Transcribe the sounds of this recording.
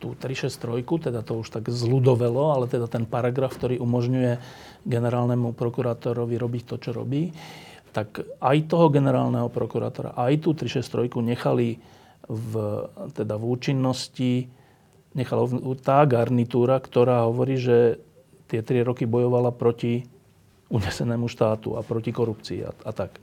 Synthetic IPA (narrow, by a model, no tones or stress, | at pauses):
t̪uːt̪ɾiʃɛst̪ɾɔjkut̪ɛd̪at̪ɔuʃt̪aɡzlud̪ɔʋɛlɔalɛt̪ɛd̪at̪ɛnpaɾaɡɾafk̚t̪ɔɾiːʔumɔʒɲujɛ | ɡɛnɛɾaːlnɛmupɾɔkuɾaːt̪ɔɾɔʋiɾɔbict̪ɔt͡ʃɔɾɔ̰biːt̪akajt̪ɔɦɔɡɛnɛɾa̰ːlnɛɦɔpɾɔkuɾa̰ːt̪ɔɾa̰ʔajt̪uːt̪ɾiʃɛst̪ɾɔjkuɲɛxali | vt̪ɛd̪avuːt͡ʃinːɔsci | ɲɛxalat̪aːɡaɾnit̪uːɾakt̪ɔɾaːɦɔʋɔɾiːʒɛ | t̪ɪɛt̪ɾiɾɔkibɔjɔʋalapɾɔci | uɲɛsɛnɛːmuʃt̪aːt̪ṵa̰pɾɔcikɔɾupt͡sḭːa̰at̪ak